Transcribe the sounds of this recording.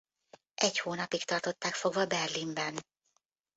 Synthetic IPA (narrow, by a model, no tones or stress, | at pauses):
ʔɛchoːnɒpikt̪ɒrt̪o̞t̪ːaːkfo̞ɡvɒbɛrlimbɛn